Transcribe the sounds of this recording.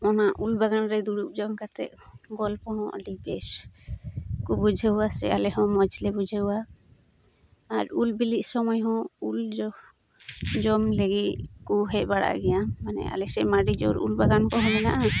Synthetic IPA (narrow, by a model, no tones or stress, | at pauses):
ɔnaʔulbaɡanɾɛd̪uɽuk̚d͡ʒɔmkat̪ɛ̰ʔ̪̚ɡɔlpɔɦɔ̃ʔɔ̰ɖibɛs | kubud͡ʒʱeuwasɛ̰alɛɦɔ̃mɔd͡ʒʱlɛbud͡ʒʱəuwa | ɾulbilit̪̚sɔmɔjɦɔ̃uld͡ʒɔ | d͡ʒɔmleɡiʔkuɦɛʔ̚baɽa̰ʔɡɛjammanɛ̰ʔa̰lɛsɛmaɖid͡ʒɔɾṵlbaɡankɔɦɔbɛna̰ʔa